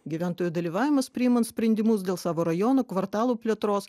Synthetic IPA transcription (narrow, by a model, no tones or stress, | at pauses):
ɡʲiʋʲæˑnt̪oːjuːd̪ɐlʲiːʋɑːʋʲɪmɐspʲɾʲɪːimɐnsʲpʲɾʲɛnʲd̪ʲɪmʊs̬d̪ʲeːlˠsɑːʋoːɾɐjɔːnoːkʋɐɾt̪ɑːlˠuːpʲlʲɛt̪ɾoːs